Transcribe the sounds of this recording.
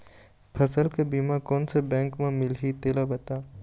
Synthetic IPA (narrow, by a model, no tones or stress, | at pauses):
pʰɐsəlkebiːmãkoːnsebɛ̃ːŋkmãmɪlɦit̪eːlabɐt̪aː